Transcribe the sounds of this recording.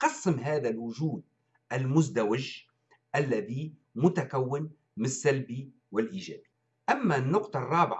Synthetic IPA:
qɑsːɪmɦaːðalwʊʒuːd̪̚ | ʔalmʊzd̪awɪʒ | ʔalːaði | mʊt̪akawːɪn | mɪnsːalbi | wɪlʔiːʒaːd̪i̥ | ʔamːanːʊqt̪ˤɑrˤːɑːbɪʕ

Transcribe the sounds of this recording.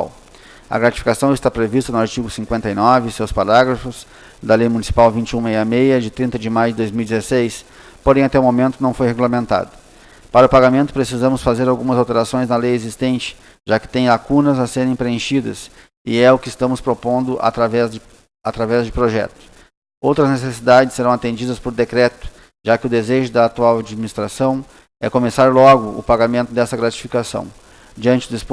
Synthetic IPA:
w | ɐ̰ɡɾat͡ʃi̥fi̥kasɐ̃w̃ɪst̪apɾevist̪ɐnʊaɾt͡ʃiɡʊsĩŋkwẽnt̪ɐinɔvɪsewspaɾaɡɾɐfʊs | d̪ɐlejmũnisi̥pawvĩnt͡ʃɪũmejɐmejɐd͡ʒɪt̪ɾĩnt̪ɐd͡ʒɪmajʊd͡ʒɪd̪ojzmiuwid͡ʒɪzesejs | poɾẽj̃at̪ɛʊumomẽnt̪ʊnɐ̃w̃fojheɡulɐmẽnt̪a̰d̪ʊ | paɾɐʊpaɡamẽnt̪ʊpɾesizɐ̃mʊsfazeɾawɡũmɐzawt̪eɾasõj̃znɐlejezist̪ẽnt͡ʃɪ̥ | ʒakɪ̥t̪ẽj̃lakũnɐzaseɾẽj̃pɾeẽʃid̪ɐ̰s | ɪɛʊkɪst̪ɐ̃mʊspɾopõnd̪ʊʔa̰t̪ɾavɛz | at̪ɾavɛzd͡ʒɪpɾoʒɛ̰t̪ʊ̥ | owt̪ɾɐznesesid̪ad͡ʒɪsːeɾɐ̃w̃at̪ẽnd͡ʒid̪ɐspoɾd̪ekɾɛt̪ʊ̥ | ʒ̥akɪʊd̪ezeʒʊd̪ɐːt̪uawad͡ʒiminist̪ɾasɐ̃w̃ | ɛkomesaɾlɔɡʊʔʊ̰paɡamẽnt̪ʊd̪ɛst̪ɐɡɾat͡ʃi̥fikasɐ̰̃w̃ | d͡ʒiɐ̃nt͡ʃɪd̪ʊisp

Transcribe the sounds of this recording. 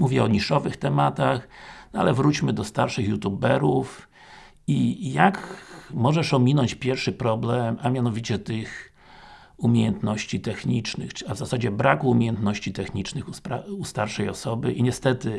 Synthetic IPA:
muvʲjɛɔɲiʂɔvɘxt̪ɛmat̪axnɔa̰lɛvɾut͡ɕmɘd̪ɔst̪aɾʂɘxjut̪jubɛɾuf | ijakmɔʐɛʂɔmʲinɔɲt͡ɕpʲjɛɾfʂɘpɾɔblɛmamʲjanɔvʲit͡ɕɛt̪ɘx | umʲjejɛnt̪nɔɕt͡ɕit̪ɛxɲit͡ʂnɘ̰xavzasad͡ʑɛbɾakuumʲejɛnt̪nɔɕt͡ɕit̪ɛxɲit͡ʂnɘxupɾaust̪aɾʂɛjɔ̰sɔbɘ̰ʔiɲɛst̪ɛt̪ɘ

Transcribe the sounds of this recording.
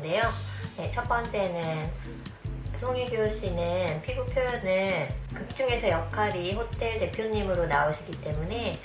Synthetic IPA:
de̞joje̞t͡ɕʰʌp͈ʌnt͡ɕ͈e̞nɯn | psʰoŋiɡjooɕ͈inɯnpʰiɡupʰjojnɯkɯk̚t͡ɕ͈uŋe̞sʰʌjʌkʰaɾiɸotʰe̞ɭte̞pʰjoɲimɯɾonaoɕʰiɡit͈e̞mune̞

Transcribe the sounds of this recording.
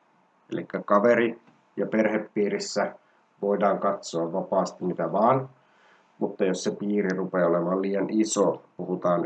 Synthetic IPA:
ḛlikːækɑʋeɾi | jɑpe̞rhepːiːɾisːæ | ʋo̞idɑːŋkɑt̪soɑʋʋɑpɑːst̪imit̪æʋɑːn | mut̪ːɑjossepiːrirupeːolemɑlliːjɑnʔisopuhut̪ɑːn

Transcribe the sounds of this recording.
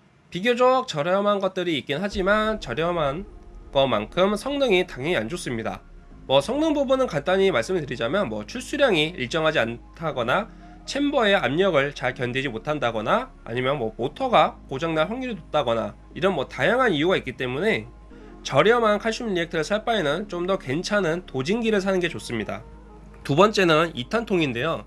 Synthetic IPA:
piɡjod͡ʑok̚t͡ɕʌɾjʌmanɡʌt̚t͈ɯɾiːk͈̚inɦad͡ʑimant͡ɕʌɾjʌmanɡʌma̰nkʰɯmsʰʌŋnɯŋitaŋɦjʌɲiand͡ʑos͈ɯmɲida̰ | mwʌsʰʌŋnɯŋbubunɯnkant͈aɲimaɭs͈ɯmɯɭtɯɾid͡ʑamjʌnmwʌ̰t͡ɕʰuɭs͈uɾjʌŋiiɭt͡ɕ͈ʌŋɦad͡ʑiantʰaɡʌna | t͡ɕʰembʌe̞amɲʌɡɯɭt͡ɕaɭkjʌnded͡ʑimotʰandaɡʌna̰ː | ɲimjʌnmwʌpotʰʌɡakod͡ʑaŋnaɭɸwaŋɡiɾitot̚t͈aɡʌna̰ | iɾʌnmwʌtajaŋɦanijuɡaik͈it͈e̞mune̞ | t͡ɕʌɾjʌmankʰaɭɕ͈ʰumʎiek̚tʰɯɾɯsʰaɭp͈aenɯnt͡ɕomdʌke̞nt͡ɕʰanɯntod͡ʑiŋɡiɾɯɭs̬ʰanɯnɡe̞t͡ɕos͈ɯmɲida̰ | tubʌnt͡ɕ͈e̞nɯnitʰantʰoŋinde̞jo

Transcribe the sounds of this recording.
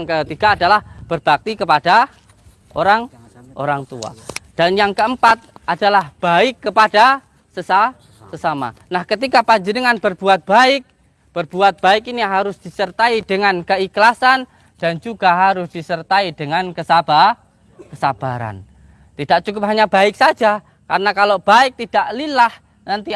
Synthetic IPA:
ŋkət̪iɡaːdalahb̥ərb̥ak̚t̪ikəpada | ʔoɾaŋ | ʔo̰ɾaŋt̪ṵa̰d̥anjaŋkəəmpat̪̚adalahb̥aɪkːəpada | səsa | səsama̰nahkət̪ikapaɲd͡ʒənəŋanbərb̥uat̪̚b̥aɪk̚ | b̥ərb̥uat̪̚b̥aɪkiniɦaɾʊsd̥isərt̪aidəŋankəiklasan | d̥and͡ʒuɡaɦaɾʊsd̥isərt̪aid̥əŋankəsab̥a | kəsab̥aɾa̰n | t̪idaʔ̚t͡ʃukʊp̚ɦaɲabaɪk̚sad͡ʒa | ka̰ɾənakalob̥aɪk̚t̪id̥aʔlilah | nant̪i

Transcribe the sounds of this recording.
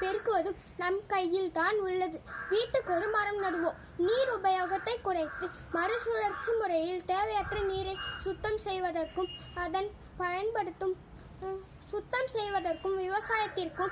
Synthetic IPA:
pɛɾkɯʋɐðɯm | nɐmkɐjːɪlt̪aːnʊɭːɐðɯʋiːʈːɯkːɔɾɯmaːɾɐmnɐɽɯʋõː | niːɾʊbɐjaːɣɐt̪ːɐɪkːʊrɐɪt̪ːɯ | mɐɾɯsuɾɐɾt͡ʃːimʊɾɐjɪlt̪eːʋɐjaːʈrɐniːɾɐɪsʊt̪ːɐmsɛjʋɐðɐrkɯmɐðɐn | pɐjɐnpɐɽɯt̪ːɯm | sʊt̪ːɐmsɛjʋɐðɐrkɯmʋɪʋɐsaːjɐt̪ːɪrkɯm

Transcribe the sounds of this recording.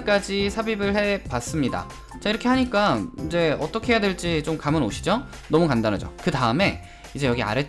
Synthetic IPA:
k͈ad͡ʑisʰabibɯɭhe̞pas͈ɯmɲida̰ | t͡ɕaiɾʌkʰe̞ɦaɲik͈aid͡ʑe̞ʌt͈ʌkʰeejadweɭt͡ɕ͈it͡ɕomkamɯnoɕʰi̥d͡ʑo | nʌmukandanɦad͡ʑo̰kɯtaɯme̞ | id͡ʑe̞jʌɡia̰ɾet͡ɕ

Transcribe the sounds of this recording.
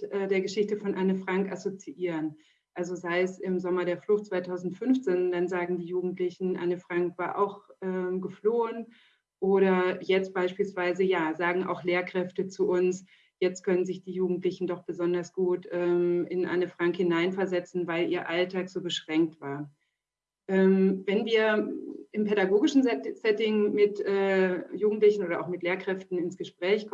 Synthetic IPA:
ʔɛːdeːɐɡəʃɪçtəfɔnʔanəfʁ̥aŋkʔasot͡siʔiːʁən | ʔalzozaɪəsɪmzɔmɐɾeːɐflʊxt̚t͡sv̥aɪtʰaʊzn̩tfʏnft͡seːndanzaːɡŋ̩diːjuːɡŋ̩tlɪçn̩ʔa̰nəfʁ̥aŋkv̥aːɐʔa̰ʊxʔɛːmɡəfloːən | ʔoːɾɐjɛt͡st̚b̥aɪʃpiːlsv̥aɪzəjaːzaːɡŋ̩ʔa̰ʊxleːɐkʁ̥ɛftət͡suʔʊns | jɛt͡st̚kʰœnənzɪçd̥iːjuːɡŋ̩tlɪçn̩dɔχb̥əzɔndɐsɡ̥uːtʔɛːmʔɪnʔa̰ɪnəfʁ̥aŋkhɪnaɪnfɛɐzɛt͡sn̩vaɪlʔiːɐʔaltʰaːkz̥oːbəʃʁ̥ɛŋk̚tv̥aːɐ | ʔɛːmvɛnviːɐɪmpɛɾaɡoːɡɪʃn̩sɛtɪŋmɪtʔɛːjuːɡŋ̩tlɪçn̩ʔoːɾɐʔa̰ʊxmɪtleːɐkʁ̥ɛftn̩ɪnsɡ̥əʃpʁ̥ɛːçk

